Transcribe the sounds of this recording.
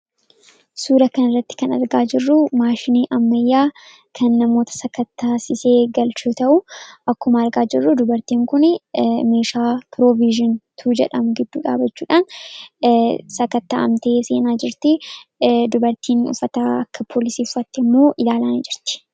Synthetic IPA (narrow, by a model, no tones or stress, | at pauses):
suːɾɐkɐnɪrːɐt̪ːɪ̥kɐnɐ̰ɾɡaːd͡ʒɪrːʊmaːʃɪniːʔɐmːɐjːaː | kʰɐnːɐmo̞ːt̪ɐ̥sɐkɐt̪ːaːsɪseːɡɐlt͡ʃoːt̪ɐʔʊʔɐkːʊmɐːɾɡaːd͡ʒɪrːʊd̪ʊbɐɾt̪iːŋkʊnɛme̞ːʃaːpɪɾoviʒɪnt̪ʰuːd͡ʒɛ̰ᶑɐmʊɡɪd̪ːuːᶑa̰ːbɐt͡ʃːuːᶑaːn | sɐkɐt̪ːa̰ːɐ̰mt̪e̞ːseːnaːd͡ʒɪɾt̪ɪ | d̪ʊbɐɾt̪ʰiːnʊ̰fːɐt̪aːɐkːɐpʰoːlɪsiːʊfɐt̪ːɛɪmːo̞ːʔɪlaːlaːnɪd͡ʒɪɾt̪ɪ̥